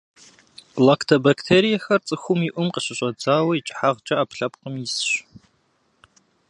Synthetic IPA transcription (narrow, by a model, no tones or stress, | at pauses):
laktʰɐbaktʰeːɾijɐxɐrt͡sʼɨxʷʊmiʔʷʊmqəɕɪɕʷʼɐd͡zaːwɐit͡ʃʼħaʁt͡ʃʼɐaːpɬɐpqəmjɪsɕ